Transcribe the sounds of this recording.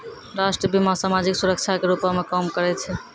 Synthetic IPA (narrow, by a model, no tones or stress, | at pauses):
ɾaʃʈɾəbimasamad͡ʒiksuɾək̚t͡ʃʰakeɾupamekəmkəɾɛt͡ʃʰɛ